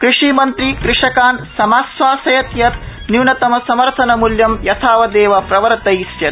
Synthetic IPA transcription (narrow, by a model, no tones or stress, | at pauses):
kɾuʂiːmɐnt̪ɾikɾɪʂɐkaːnsɐmaːsʋaːsɐjɐt̪jɐt̪ | niwɳɐt̪ɐmɐsɐmɐɾt̪ʰɐnɐmuljɐmjɐt̪ʰaːʋɐd̪eːʋɐpɾɐʋɐɾt̪ɐjisjɐt̪